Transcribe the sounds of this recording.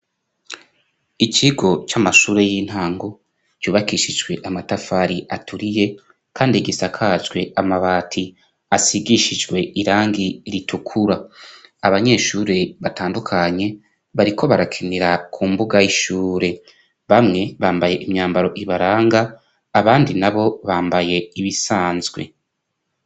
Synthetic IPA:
iciɡo̞t͡ʃamaʃuːɾe̞jiːn̥haːŋɡo̞ | t͡ʃuːβakiʃid͡ʒɡwe̞ʔamatafaɾiʔatʰuɾije̞ | kʰaːndiɡisakʰazɡwe̞amaβaːtʰi | asiɡiʃid͡ʒɡwe̞ʔiɾaːŋɡiɾitukʰuɾaː | βaɲe̞ʃuːɾe̞βataːndukʰaɲe̞ | βaɾikʰo̞βaɾakʰiniɾakʰuːmbuɡajiʃuːɾe̞ | βamŋe̞βaːmbaje̞ʔimɲaːmbaɾo̞ʔiβaɾaːŋɡaː | βaːndinaβo̞βaːmbaje̞iβisaːnzɡwe̞̰

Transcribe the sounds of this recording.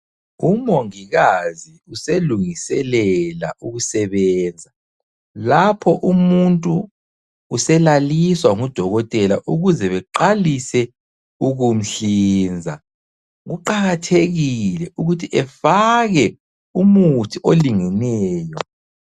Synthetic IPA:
umoŋiɣaziuseluŋisɛlɛla̰ʔuɣusɛβɛːnd͡zʱa | lapʰɔʔumuntʼuː | sɛlaliswaŋud̥ʱɔɣɔtʼɛlaʔuɣuzɛβɛǃalisɛ | uɣum̩ɬiːnd͡zʱa | ɣuǃaɣatʰeɣilɛʔuɣutʰiʔɛfaɣɛ | umutʰiʔoliŋɛnɛːjɔ

